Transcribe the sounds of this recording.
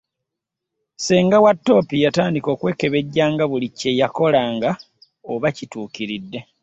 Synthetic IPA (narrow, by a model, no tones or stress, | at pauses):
seːŋɡawatːo̞ːpijataːndiko̞ːkwe̞ːke̞βe̞ɟːaːŋɡaβulicːe̞jako̞laːŋɡa | oβacituːkiɾidːe̞